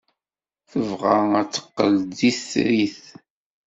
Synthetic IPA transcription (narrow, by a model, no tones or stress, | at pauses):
θəvʁaæt͡sːə̥qːəld̪isɾiθ